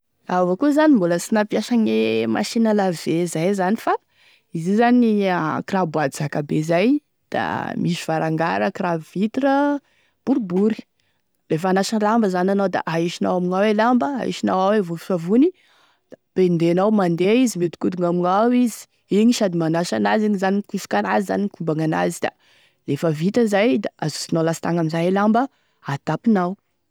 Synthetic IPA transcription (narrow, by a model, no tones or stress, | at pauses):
avokuzanimbuləsinapjaʃaɲema̰ʃinəlavezajzanifa | izizaniakrabuad̪izakabezaj | d̪̥a̰miʃuvaɾaŋɡa̰ɾəkravvit̪ɾə | b̥uɾbuɾi̥ | lefəanaʃanlambəzananawd̪a̰ʔaiʃina̰wamiŋawelambəa̰ḭʃinawawevufi̥favuni | d̪̥apend̪enawmand̪eizimed̪u̥kud̪uŋamiŋawizi̥ | iŋiʃad̪imanaʃanaziɲizanikufu̥kanaziza̰nikumbaŋana̰zid̪̥a̰ | lefəvit̪əzajd̪aazu̥sinawlasit̪aŋaminzanelambə | at̪apinaw